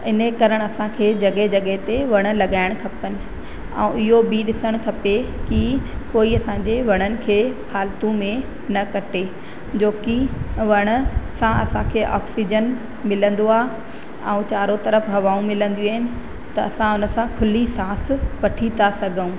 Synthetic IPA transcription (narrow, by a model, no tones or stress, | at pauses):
ɪnəkɐɾəɽ̃ɐsãkʰeːd͡ʑɐɠəɦd͡ʑɐɠəɦɪt̪eʋɐɽ̃ʊ̆lɐɠaːɪɽ̃kʰɐpənɪ̆ | ɛ̰̃ũɪɦobiɗɪsəɽ̃kʰɐpekikoːiɐsãɲd͡ʑeʋɐɽ̃ənɪ̆kʰeːpʰaːlt̪ũmẽ | nɐkɐʈe | d͡ʑoːkiʋɐɽ̃ʊ̆sãʔɐ̰sãkʰeːʔɔːksid͡ʑən | mɪlə̃nd̪oaː | ɛ̰̃ũt͡ɕaːɾot̪ɐɾəfɦɐʋaːũmɪlə̃nd̪ijuaːɦɪnɪ̆ | t̪ɐɐsãʊnə̆sãkʰʊlisaːsʋɐʈʰit̪asɐɡʱəũ